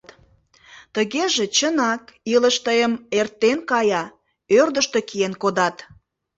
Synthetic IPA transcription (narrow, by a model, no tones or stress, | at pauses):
t̪ | t̪əɣeʒet͡ɕənɑkiləʃt̪əjəmert̪ːenkɑjɑ | ørd̪əʃt̪e̽kijenkod̪ɑt̪